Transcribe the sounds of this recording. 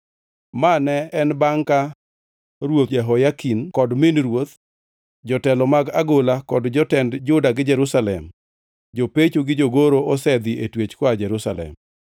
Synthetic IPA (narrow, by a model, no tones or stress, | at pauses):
manɛɛnbaŋka | ɾwot̪jɛɦɔjakinkɔdmɪnɾwot̪ | d͡ʒɔtɛlɔmaɡaɡolakɔdd͡ʒɔtɛndd͡ʒʊdaɡɪd͡ʒɛɾʊsalɛm | d͡ʒopet͡ʃoɡɪd͡ʒoɡoɾoʔɔsɛd̪iʔetwet͡ʃkwad͡ʒɛɾʊsa̰lɛ̰m